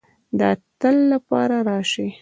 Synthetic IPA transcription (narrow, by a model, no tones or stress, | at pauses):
d̪əat̪əlːapɑ̰ɾaɾɑʃi